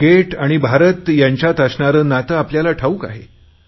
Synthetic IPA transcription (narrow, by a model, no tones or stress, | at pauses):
ɡeʈaɽ̃ibʱaɾət̪jaɲt͡ɕjat̪əsɳaɾəːnat̪əapljalaʈʰauka̰ɦe